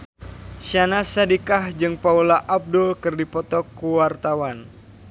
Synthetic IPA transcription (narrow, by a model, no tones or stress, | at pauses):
ʃanasadikahd͡ʒɨŋpaulaʔab̚dʊlkɨrdipɔt̪ɔkuwart̪awan